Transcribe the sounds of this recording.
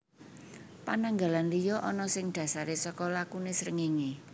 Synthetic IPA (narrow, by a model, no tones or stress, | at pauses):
panaŋɡalanlijɔʔɔnɔsɪŋd̪̥ä̤saɾesɔkɔlakunesɾəŋiŋe